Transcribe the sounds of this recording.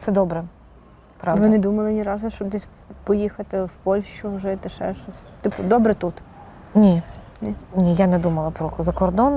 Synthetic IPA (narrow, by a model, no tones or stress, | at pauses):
sɛd̪ɔbɾɛ | pɾɑʋʋɪnɛd̪umɐlˠɪnʲiɾɑzʊʃt͡ʃɔbd̪ɛsʲ | pɔjixɐt̪ɪwpɔlʲʃt͡ʃʊʒɛt̪ɪʃɛ̰ʃɔsʲt̪ɪpʊd̪ɔbɾɛt̪ut̪ | nʲi | nʲinʲijanɛd̪umɐlˠɐpɾɔzɐkɔrd̪ɔn